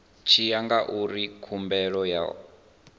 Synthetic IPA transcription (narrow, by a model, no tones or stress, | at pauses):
t͡ʃʰijaŋɡaʔuɾikʰumbɛɺɔja̰